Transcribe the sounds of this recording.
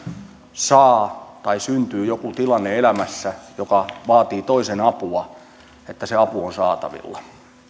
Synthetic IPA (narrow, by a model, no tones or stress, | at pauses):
sɑːt̪ɑisynt̪yːjokut̪ilɑnːeelæmæsːæjokɑʋɑːt̪iːt̪oisenɑpuɑ | et̪ːæseɑpuonsɑ̰ːt̪ɑ̰ʋḭlːɑ